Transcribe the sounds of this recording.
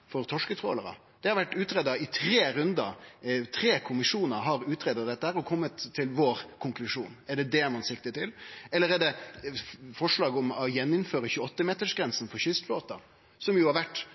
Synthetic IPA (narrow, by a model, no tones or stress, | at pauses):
fɔɾt̪ʰɔʂkət̪ʰɾo̰ːləɾə̰ | d̪̥ɛhɑɾʋæʈːʉːt̪ɾeːd̪ɑɪt̪ʰɾeːɾʉnd̪ət̪ʰɾeːkʰʊmɪʂuːnəɦɑɾʉːt̪ɾeːd̪ɑd̪ɛt̪ːəhæːɾɔkʰɔmːət̪ʰːɪlʋoːɾkʰʊŋklʉʂṵːnɛɖɛd̪ɛmɑnsɪk̚t̪ət̪ʰɪlɛlːəɾɛɖɛ | fɔʂɭɑːɡɔmɔjɛnːɪnføːɾəçʉːɔt̪ːəmeːt̪əʂɡɾɛnsnfɔçʏst̪foːt̪ɑ | sɔmjʊhɑɾʋæʈː